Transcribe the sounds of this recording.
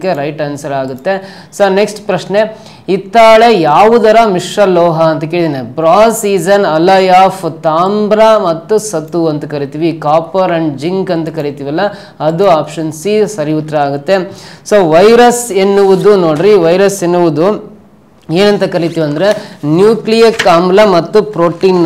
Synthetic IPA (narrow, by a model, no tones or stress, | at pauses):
kːeɾɐjʈɐnsɐlaːɡut̪ːe̞ | soːneksʈpɾɐʃne̞ | it̪ːaːɭejaːʋud̪ɐɾɐmiʂɾɐlɔːɦɐːnt̪ɐkeːɭit̪inepɾaːsiːd͡ʒɐnɐlɐjaːfʰt̪aːmbɾamɐt̪ːusɐt̪ːuɐnt̪ɐkɐɾit̪iʋikaːpɐɾɐɳɖd͡ʒiŋkɐnt̪ɐkɐɾit̪iʋɐlːɐ | ɐd̪uaːpʂɐnsisɐɾiut̪ːɾɐaːɡut̪ːesoːʋɐjɾɐsenːuʋud̪unoːɽɾiʋɐjɾɐsenːuʋud̪u | eːnɐnt̪ɐkɐɾit̪iʋiɐnd̪ɐɾenjuːklijɐɾkaːmlɐmɐt̪ːupɾoːʈiːn